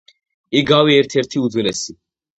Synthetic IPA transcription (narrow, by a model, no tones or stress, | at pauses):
iɡawiɛɾt̪ʰɛɾt̪ʰiud̪zwilɛsi